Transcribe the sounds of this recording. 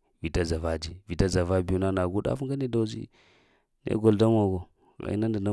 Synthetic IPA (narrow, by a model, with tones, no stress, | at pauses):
vi˨ta˦d͡za˨va˦d͡ʒi˦vi˨ta˦d͡za˨va˦bi˨ju˦na˦na˨ɡu˦da̰˦fu˦ɡa˦ni˦da˦˨˦d͡ʒḭ˦ | nḛ˦ɡo˨lda˦m˦a˨ɡo˨ | ɣa̰˨ḭ˦na˦ndi˨na˦